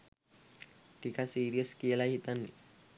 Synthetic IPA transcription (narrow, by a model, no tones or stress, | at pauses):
ʈikasiːɾiəskielaɦit̪anːḭ